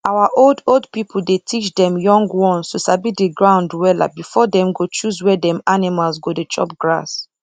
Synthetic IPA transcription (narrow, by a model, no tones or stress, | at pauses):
awaʔoldoldpipʰl̩detʰit͡ʃdɛ̃mjɔ̃ŋɡwɔ̃nstusabideɡɹãʊ̃ndwɛla̰bifɔdɛ̃mɡot͡ʃuzwɛdɛ̃manimalsɡodet͡ʃɔ̰p̚ɡɹa̰s